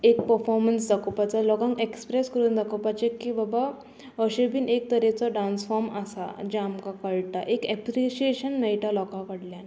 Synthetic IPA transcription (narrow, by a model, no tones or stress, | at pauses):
ek̚pəɾfɔɾməns̬d̪akopat͡salɔkãŋkekspɾeskəɾuːnd̪ʱakopat͡ɕekːibaba | əɕebiːnek̚t̪əɾet͡sɔɖansfɔɾmasa̰d͡ʑeamkakəɭʈ̪aʔekɛpɾiɕieɕənmejʈalɔkãkəɽljan